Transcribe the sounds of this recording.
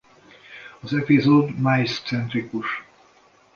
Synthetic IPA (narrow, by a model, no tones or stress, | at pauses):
ɒzɛpizoːd̪majst̪sɛnt̪ɾikuʃ